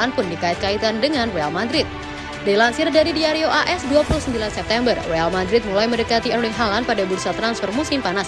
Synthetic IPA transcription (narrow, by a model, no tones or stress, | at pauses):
anpʊndikaɪt̪̚kait̪andəŋanwealmadɾɪt̪̚ | dailansɪrdaɾidiaɾioʔaʔɛsduapuluhsəmbilansɛp̚t̪ɛmbərwealmadɾɪt̪̚mulajməndəkat̪iɛnlɪŋɦalanpadabuɾsat̪ɾansfɔrmusɪmpanas